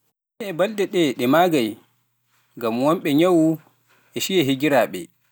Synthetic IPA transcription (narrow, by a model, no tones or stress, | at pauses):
ɛbaldɛɗɛɗɛmaːɡaj | ŋɡamwɔmɓɛɲawu | ʔɛʃijɛɦiɡiɾaːɓɛ̰